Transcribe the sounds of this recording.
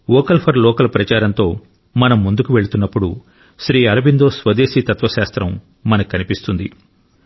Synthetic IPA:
ɔːkɐlpʰɐɾlɔːkɐlɐpɾɐt͡ʃaːɾɐnt̪o̞ː | mɐnɐmːund̪ukuʋe̞ɽut̪unːɐpːuɽu | ʃɾiːɐɾɐbind̪oːsʋɐd̪eːʃiːt̪ɐt̪ʋɐʃaːst̪ɾɐmː | ɐnɐkikːɐnipist̪und̪ḭ

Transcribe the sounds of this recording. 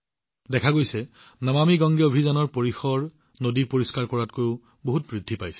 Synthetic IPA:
dɛkʰaɡojsɛ | namamiɡɔŋɡjɔbʱizɔnɔɹpoɹixɔɹ | nodiɹpoɹiskaɹkɔɹatkojʊ | boɦut̚bɹidʱːipajsɛ̥

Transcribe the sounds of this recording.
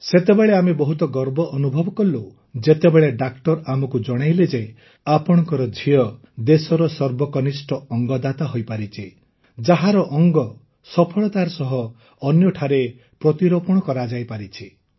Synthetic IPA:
set̪ebeɭeamebɔɦut̪ɔɡɔɾbɔʔɔnubʱɔbɔkɔlːo | d͡ʒet̪ebeɭeɖakʈɔɾamɔkud͡ʒɔɽ̃ajled͡ʒe | apɔɽ̃ɔ̃ŋkɔɾɔd͡ʒʱiɔ | d̪esɔɾɔsɔɾbɔkɔnisʈʰɔɔŋɡɔd̪at̪aɦojpaɾit͡ʃʰi | d͡ʒaɦaɾɔʔɔŋɡɔ | sɔpʰɔɭɔt̪aɾɔsɔɦɔː | njɔʈʰaɾe | pɾɔt̪iɾɔpuɽ̃ɔkɔɾad͡ʒajpaɾit͡ʃʰi

